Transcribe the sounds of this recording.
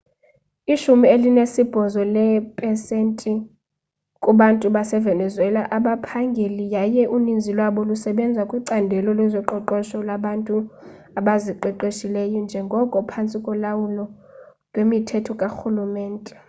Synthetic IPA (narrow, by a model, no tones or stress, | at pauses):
iʃumielinesib̥ʱɔzɔlɛpʼɛsentʼi | kʼuɓantʼuɓasɛvɛnɛzwɛlaʔaɓapʰaŋɡʱelijajɛʔunind͡zʱilwaɓɔlusɛɓɛnd͡zʱwakʼwiǀandʱɛlɔlɛzɔǃɔǃɔʃɔlaɓantʼu | aɓaziǃɛǃeʃilɛjɔnd͡ʒʱɛŋɡʱɔkʼɔpʰant͡sʼikʼɔlawulɔ | lwemitʰɛtʰɔkʼaxulumɛːntʼɛ